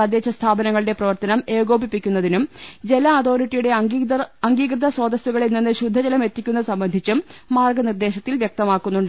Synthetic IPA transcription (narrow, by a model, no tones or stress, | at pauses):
ɐd̪jet͡ɕːɐst̪ʰaːbɐnɐŋːɐɭiɽe̞prɐʋɐrt̪ɐnɐme̞ːɡo̞ːbipːikʲːunːɐðinumd͡ʑe̞lɐːt̪o̞ːɾiʈːijuɽe̞ɐŋɡiːɡrɨd̪ʱɐso̞ːd̪ɐsuɣɐɭilnenːɨɕud̪ʱːɐd͡ʑɐlɐme̞t̪ːikʲːunːɐsɐmbɐnd̪ʱit͡ɕːumːaːrɡɐnird̪e̞ːɕɐt̪ːilʋjɐk̚t̪ɐmaːkːunːuɳɖɨ